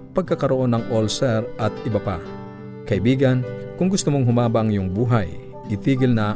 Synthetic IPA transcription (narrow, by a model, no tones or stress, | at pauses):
pɐɡ̚kakɐɾoʔo̞nːɐŋʔolsɛɾʔɐt̪̚ɪbapa̰ | kɐʔɪbiːɡɐnkʊŋɡʊst̪ʊmoŋɦʊmaːbaŋjʊŋbuːɦaj | ʔɪt̪iːɡɪlnɐ